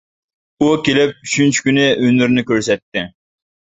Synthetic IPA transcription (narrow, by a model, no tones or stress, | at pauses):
ukʲelɪp̚yt͡ʃʰynt͡ʃʰi̥kʲynɪʔønyɾnɪkʲøɾsɛt̪ːɪ